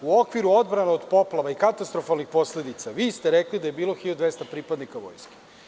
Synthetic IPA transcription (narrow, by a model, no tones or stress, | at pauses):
uo̞kʋiɾuo̞d̪bɾaneod̪po̞plˠaʋaikat̪ast̪ɾo̞falˠnixpo̞sle̞d̪it̪saʋiːst̪eɾeklid̪ajebiːlˠo̞xiʎod̪ʋest̪apɾipad̪nikaʋo̞̰jske̥